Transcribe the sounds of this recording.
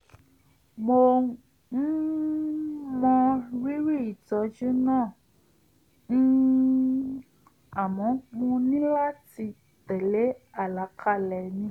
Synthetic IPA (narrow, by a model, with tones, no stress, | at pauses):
mo˧ | n̩˦ | mɔ̃˧wi˦ɾi˦˨i˨tɔ˧d͡ʒu˦nãː˦˨ | n̩˦ | a˨mɔ̃˨˦k͡pũ˧nĩ˦la˦ti˧ | tɛ˨le˨˦a˦˨la˨˦kʰa˦˨lɛ˨nĩ˧˦